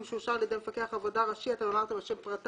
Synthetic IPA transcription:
mʃuʃaʁaljedejmefake̞aχavodaʁaʃiat̪anolaʁt̪amaʃempʁat̪

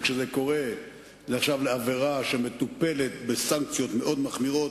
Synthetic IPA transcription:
kʃezeko̞ʁe̞ | zeaχʃavleave̞ʁaʃeme̞t̪upe̞let̪besaŋk̚t͡sjo̞t̪me̞ʔo̞d̪maχmiʁo̞t

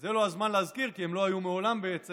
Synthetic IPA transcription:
zelo̞azmanleazkiʁkiemlo̞ajumeo̞lambeet͡s

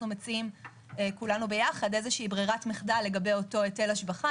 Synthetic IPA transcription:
numet͡siim | ekulanube̞jaχadezeʃiibʁiʁatmiχdalːe̞ɡɐbe̞jo̞to̞ete̞laʃbaχa

